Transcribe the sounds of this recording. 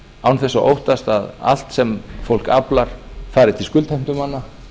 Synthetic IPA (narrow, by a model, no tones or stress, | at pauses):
awnθɛsːaʔowht̪ast̪aða̰l̥t̪sɛmfowl̥kaplaɾ̥faːɾɪt̪ʰɪlskʏlt̪ʰɛjm̥t̪ʏmanːa